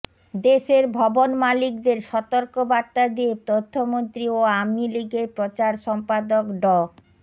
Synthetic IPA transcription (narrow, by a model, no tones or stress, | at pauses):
d̪eʃeɾbʱɔbonmalik̚d̪eɾʃɔt̪oɾkobaɾt̪ːad̪iet̪ot̪ʰːomont̪ɾioamiliɡeɾpɾot͡ɕaɾʃɔmpad̪okɖɔ